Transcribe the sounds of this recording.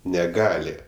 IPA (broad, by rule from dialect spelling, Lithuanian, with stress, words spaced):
nʲɛˈɡɑːlʲɪ